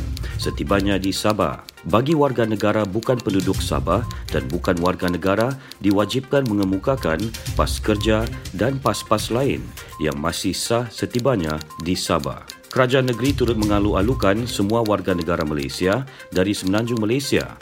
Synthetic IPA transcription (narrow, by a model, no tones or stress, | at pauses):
sət̪ibaɲadisaba̰baɡiwarɡanəɡaɾabukanpəndudʊk̚sa̰badanbukanwarɡanəɡaɾadiwad͡ʒip̚kanmə̃ŋəmukakanpaskərd͡ʒadanpaspaslaɪ̰n | ja̰ŋmasɪhsasət̪ibaɲãdisaba̰kəɾad͡ʒaanːəɡəɾit̪uɾʊt̪̚məŋalualukansəmũawarɡanəɡaɾamala̰jsia | daɾisəmənãɲd͡ʒʊŋmalajsia̰